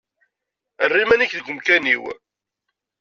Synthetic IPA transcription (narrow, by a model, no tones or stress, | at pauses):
ərːimæniçðɡʷəmkæniw